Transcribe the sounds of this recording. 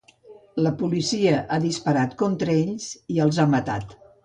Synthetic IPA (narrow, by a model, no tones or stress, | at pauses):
ləpulisiəʔaðispəɾat̪kɔnt̪ɾəeʎz̥iəlˠzamət̪a̰t̪